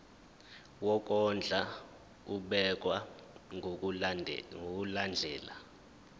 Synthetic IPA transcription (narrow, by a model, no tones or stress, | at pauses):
wɔk̬ʼɔnd͡ɮʱa | uɓɛk̬ʼwa | ŋɡokuland͡ɮʱɛːla